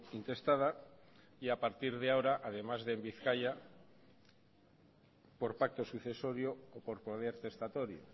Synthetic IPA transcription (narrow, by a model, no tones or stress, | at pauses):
int̪e̞st̪að̞a | iapaɾt̪iɾð̞eaoɾaʔað̞e̞mazðe̞mbiθkaʝa | po̞ɾpak̚t̪o̞suθe̞so̞ɾjoːpo̞ɾpoð̞eɾt̪e̞st̪at̪o̞ɾjo̰